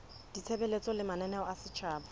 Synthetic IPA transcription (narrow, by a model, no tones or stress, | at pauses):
d̥it͡sʰebelet͡sʼɔlɪmanɛnɛɔasɪt͡ʃʰaːbɔ